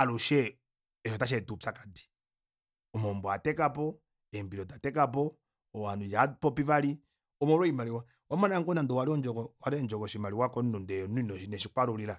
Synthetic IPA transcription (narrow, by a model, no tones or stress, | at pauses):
aluʃɛ | ɛʃɔtaʃ̬ɛtut͡sakḁdi̥ | ɔmɔmbɔatɛkapɔ | ɛmbiɾɔtatɛkap̬ɔ | ɔwanujapɔpivali | ɔmɔɾɔimaliwa | wamanaŋɡɔnandɔwaɾiɔnd͡ʒɔkɔwaɾɛnd͡ʒɔkɔʃimaliwakɔnnundɛjɔnunɔʃinɛʃikwaɾuliɾa